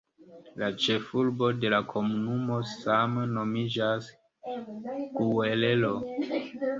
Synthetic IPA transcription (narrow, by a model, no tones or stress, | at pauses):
lat͡ʃe̞fulbo̞de̞lakʰo̞munumo̞samno̞mid͡ʒas | ɡ̥uele̞lo̞